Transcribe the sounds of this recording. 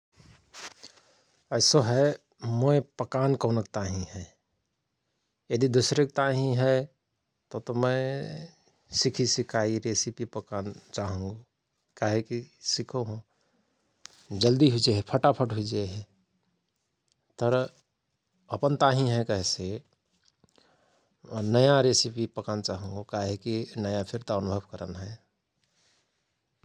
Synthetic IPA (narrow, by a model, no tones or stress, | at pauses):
ɛːsoɦɛ | moepəkaːnkoːnək̚t̪aːɦĩɦɛ | jəd̪id̪ʊsɾek̚t̪aːɦĩɦɛ | t̪ot̪omɛ̃ | sɪkʰisɪkʰaːiɾeːsipipəkaːnt͡ʃaːɦũːŋɡo | kaːɦekisɪkʰoɦũ | d͡ʒəld̪iɦuid͡ʒeɦɛpʰəʈapʰəʈɦuid͡ʒeɦɛ | t̪əɾ | əpənt̪aɦĩɦɛ̃kəɦɛse | nəjaɾesipipəkant͡ʃaːɦũŋɡokaɦekinəjapʰɪɾt̪aənʊbʱəbkəɾə̰nɦɛ